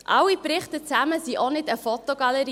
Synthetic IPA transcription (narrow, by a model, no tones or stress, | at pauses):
ʔɑwipɾɪχtət͡sæməsiʔonɪdəfɔt̪oɡ̥ɑləɾi